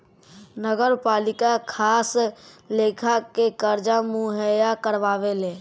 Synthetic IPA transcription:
nəɡəɾpalikakʰaːslekʰakekəɾd͡ʒamuɦəjakəɾʋaʋele

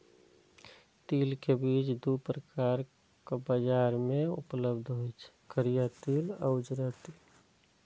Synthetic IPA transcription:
t̪iːlkebit͡ʃd̪upɾəkaɾ | kobəd͡ʒaɾmẽṵpləbd̪ʱɦojt͡ʃʰkʰəɾijat̪iləʊd͡ʒɾat̪il

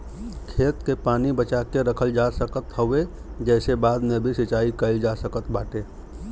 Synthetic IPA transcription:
kʰeːt̪kepaːnibət͡ʃaːkeɾəkʰəld͡ʒasəkət̪ɦəʋe | d͡ʒɛːsebaːd̪mẽbʱisɪt͡ʃaːikəɪld͡ʒasəkət̪baːʈeː

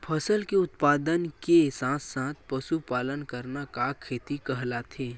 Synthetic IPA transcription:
pʰəsəlkeʊt̪paːd̪ənkesãːt̪sãːt̪̚ʰpɐʃupaːlənkəɾnakaːkʰːeːt̪ikəɦlat̪ʰeː

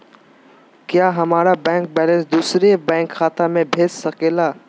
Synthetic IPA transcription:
kjaːɦɐmaːɾabɛ̃ːŋk̚bɛːlə̃nsd̪uːsɾebɛ̃ːŋkxaːt̪amẽbʱeːd͡ʒsəkeːlaː

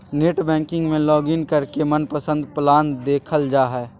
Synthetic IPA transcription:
neːʈbɛ̃ːŋkɪ̃ŋɡmẽlɔːɡɪnkəɾkemənpəsə̃nd̪plaːnd̪eːkʰəld͡ʒaːɦɛː

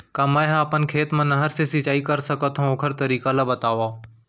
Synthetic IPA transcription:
kamaːjɦaːpənkʰeːt̪mãnɐɦəɾsesɪt͡ʃaːikəɾsəkət̪ɦõoːkʰəɾt̪əɾiːkalabət̪aːʋaː

